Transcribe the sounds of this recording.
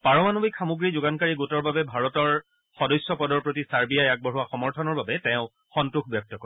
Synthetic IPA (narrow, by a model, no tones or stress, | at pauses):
paɹɔmanubikʰamuɡɹizʊɡankaɹiɡutɔɹbabɛbʱaɹɔtɔɹ | xɔdɔjsjɔpɔdɔɹpɹotisaɹbijajak̚bɔɦuwaxɔmɔɹtʰɔnɔɹbabɛtɛ̃ʊ̃ | xɔntɹuxʰbjɔk̚tɔkɔɹ